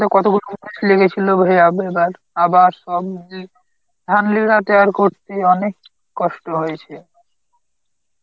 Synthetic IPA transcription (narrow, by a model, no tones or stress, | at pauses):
t̪ekɔt̪okulomniʃleket͡ɕʰilobʱejabebaɾ | abaɾʃɔb̚i | d̪ʱanliɾat̪eaɾkoɾt̪eɔnekː | ɔʃʈoɦojet͡ɕʰe